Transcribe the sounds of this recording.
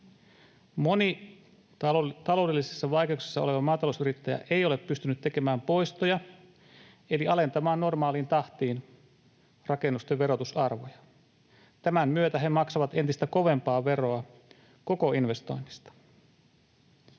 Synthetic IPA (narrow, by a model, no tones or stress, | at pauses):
mo̞ni | t̪ɑlo̞ːde̞lːisesːɑʋɑjke̞ukse̥sːɑo̞̰le̞ʋɑmɑːt̪ɑlousyɾit̪ːæjæ̰ʔeijo̞le̞pːyst̪ynyt̪t̪ːe̞kemæːmpo̞jst̪ojɑ | e̞liɑle̞nt̪ɑmɑːnno̞rmɑːlint̪ɑht̪iːn | rɑke̞nːust̪eʋʋe̞ɾo̞t̪usɑrʋojɑ | t̪æmæmmyøt̪æɦemɑksɑʋɑt̪e̞nt̪ist̪æko̞ʋe̞mpɑːʋe̞ro̞ɑ | ko̞ko̞inʋe̞st̪o̞̰inːist̪ɑ̥